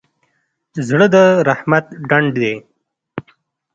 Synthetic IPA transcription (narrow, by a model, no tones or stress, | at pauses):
zɽəd̪əɾahmat̪̚ɖaɳɖd̪e